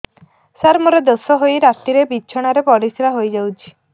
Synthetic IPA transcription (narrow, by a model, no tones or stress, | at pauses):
saɾmɔɾed̪osɔɦojɾat̪iɾebit͡ʃʰɔɽ̃aɾepɔɽisɾaɦojd͡ʒawt͡ʃʰi̥